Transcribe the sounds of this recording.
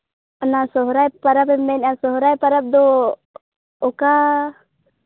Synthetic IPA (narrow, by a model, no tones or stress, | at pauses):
ɔnasɔɦɾajpaɾapɛmɛnasɔɦɾajpaɾap̚d̪ɔ | ka